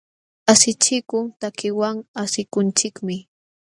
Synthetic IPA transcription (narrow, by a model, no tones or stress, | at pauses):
asɪt͡ʃɪkʊŋt̪akɪwaŋasɪkʊnt͡ʃɪkmɪ